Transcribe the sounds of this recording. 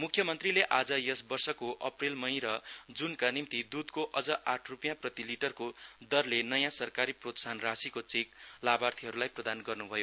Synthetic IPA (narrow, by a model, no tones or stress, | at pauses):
mukʰːjʌmʌnt̪rileʔad͡zʌjʌsbʌrsʌkoʔʌprelmʌj̃ɾʌd͡zunkanimt̪id̪ud̪koʔʌd͡zʌʔaʈʰrupjãprʌt̪iliʈʌrkod̪ʌrlenʌjãsʌrkaɾiprot̪sanrasikot͡sik̚labart̪ʰiɦʌɾulajprʌd̪anɡʌrnubʱʌjo